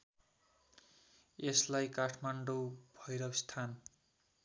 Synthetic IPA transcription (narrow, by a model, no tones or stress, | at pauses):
eslajkaʈʰmaɳɖobʱʌjɾʌwst̪ʰan